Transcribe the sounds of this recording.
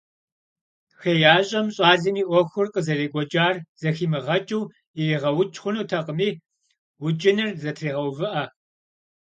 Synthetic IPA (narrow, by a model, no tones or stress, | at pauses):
xejaːɕʼɐmɕʼɑːzimiːʔʷɔxʷʊrqʼəzɐreːɡʷʼɔd͡ʒʼaːrz̥ɐxiːmɨʁɐt͡ʃʼuw | iriːʁɐwʊt͡ʃʼχʷʊnuːtʰɐqʼəmiː | wʊt͡ʃʼɪnɨrzɐtʰriːʁɐwvɨʔɐ